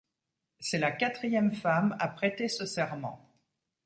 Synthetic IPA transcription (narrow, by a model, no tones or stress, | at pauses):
sɛlakat̪χijɛmfamapχɛt̪esəsɛʁmɑ̰̃